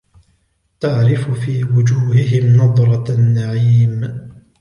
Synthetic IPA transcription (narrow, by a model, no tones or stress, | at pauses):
t̪aʕɾɪfʊfiːwʊd͡ʒuːhɪɦɪmnɑd̪ˤɾˤɑnːaʕiːm